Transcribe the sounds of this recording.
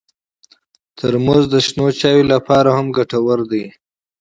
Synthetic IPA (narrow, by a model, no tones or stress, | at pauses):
t̪ʰəɾmozd̪əʃnot͡ʃɑwilapɑɾahamɡaʈawəɾd̪əj